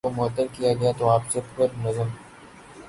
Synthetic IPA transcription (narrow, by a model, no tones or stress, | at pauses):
omʊət̪ːəɾkijaɡɐjat̪oaːpseb̪pəɾnɐzəm